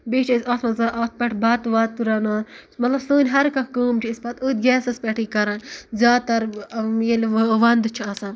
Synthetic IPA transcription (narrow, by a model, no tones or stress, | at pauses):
beːt͡ʃʰɐsʲat̪ʰmɐzaːʔaːt̪̚ʰpʲɐʈʰbaːt̪ʋaːt̪ːuɾɐnaːmɐt̪lɐbsoːnʲɦɐɾkɐkkuːmt͡ʃʰiispɐt̪uːt̪̚ɡʲɛːsɐspʲeʈʰiːkɐɾɐnzʲjaːt̪ɐɾjelʋɐnd̪t͡ʃʰiɐsan